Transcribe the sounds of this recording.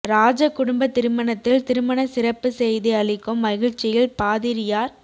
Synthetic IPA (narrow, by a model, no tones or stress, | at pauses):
ɾaːd͡ʒɐkːʊɽʊmbɐt̪ːɪɾɯmɐnɐt̪ːɪlt̪ɪɾɯmɐnɐsɪrɐpːɯsɛjðiɐɭɪkːɯmːɐɣɪɻt͡ʃːɪjɪlpaːðɪɾɪjaːɾ